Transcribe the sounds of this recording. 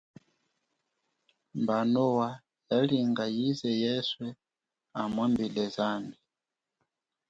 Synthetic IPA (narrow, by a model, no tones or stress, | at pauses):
mbanɔwa | jaliŋɡajizɛjɛswɛ | amwɛmbilɛzambi